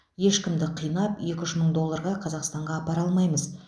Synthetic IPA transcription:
je̞ʃkʲɪmd̪ɪqʰijnɑpje̞kʲʏʃməɴd̪o̞lˠːɑɾʁɑqʰɑzɑqst̪ɑɴʁɑːpɑɾɑlˠmɑjməz

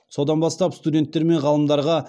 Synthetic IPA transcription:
so̞d̪ɑnbɑst̪ɑpst̪udʲe̞nt̪ːe̞ɾme̞ɴʁɑlˠəmd̪ɑɾʁɑ

